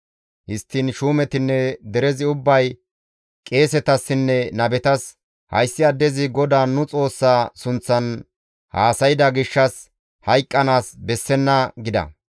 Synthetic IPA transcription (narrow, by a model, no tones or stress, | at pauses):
hɪst̪ːinʃuːmɛt̪ɪnːɛd̪ɛɾɛzɪʊbːɐj | kʼe̞ːsɛt̪ɐsːɪnːɛnɐbɛt̪ɐs | hɐ̰jsːɪɐd̪ːɛzɪɡɔd̪aːnʊt͡sʼo̞ːsːaːsʊnt͡sːɐn | haːsɐjɪd̪ɐɡɪʃːɐs | hɐjkʼːɐnaːsbɛsːɛnːɐɡɪd̪ɐ̰